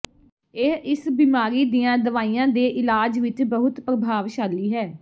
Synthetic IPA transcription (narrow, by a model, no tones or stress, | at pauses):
eɪsbiːmaːɾiːd̪iːãːd̪əʋaːiːãːd̪eːʔɪlaːd͡ʒʋɪt͡ʃbəɦʊt̪pɾəbʱaːʋʃaːliːɦɛː